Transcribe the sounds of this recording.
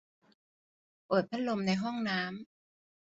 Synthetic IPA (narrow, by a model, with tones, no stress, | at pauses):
ʔɤː˨˩t̪̚pʰa˦˥lo˧mna˧jɦɔ˥˩ŋnaː˦˥m